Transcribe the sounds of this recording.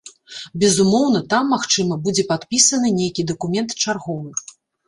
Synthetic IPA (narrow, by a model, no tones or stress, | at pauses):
bʲɛzumɔwn̪ɐt̪amːaxt͡ʂɨmɐbud͡zʲɛpat̪pʲisɐnɨnʲejkʲid̪ɐkumʲɛnt̪t͡ʂarɣɔvɨ